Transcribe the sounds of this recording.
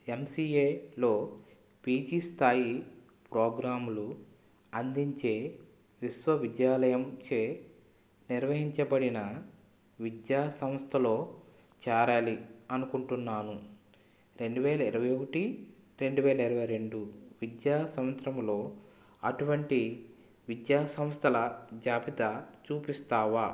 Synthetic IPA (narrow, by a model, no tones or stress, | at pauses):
emsiːeːlo̞ː | piːd͡ʒiːst̪ʰaːji | pɾoːɡɾaːmulu | ɐnd̪iɲt͡ʃe̞ː | ʋisʋɐʋid̪jaːlɐjɐmt͡ʃeː | niɾʋɐɦiɲt͡ʃɐbɐɽinɐ | ʋid̪jaːsɐmst̪ʰɐlo̞ː | t͡ʃaːɾaːliɐnukuɳʈunːaːnu | ɾe̞ɳɖuʋɛːlɐiɾɐʋɐjokɐʈiɾe̞ɳɖuʋɛːlɐiɾɐʋɐjɾe̞ɳɖuʋid̪jaːsɐmʋɐnt̪ɾɐmlo̞ː | ɐʈuʋɐɳʈi | ʋid̪jaːsɐmst̪ʰɐlɐd͡ʒaːpit̪at͡ʃuːpist̪aːʋaː